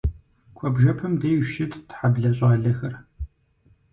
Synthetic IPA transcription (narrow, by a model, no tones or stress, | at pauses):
kʷʰɔbʒɐpʰɐmdejʃɪttħabɮɐɕʼaːɮɐxɐr